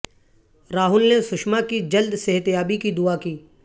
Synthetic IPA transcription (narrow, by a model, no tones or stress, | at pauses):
ɾaːɦʊlnesʊʃmakid͡ʒɐld̪seɦt̪jaːbikid̪ʊakiː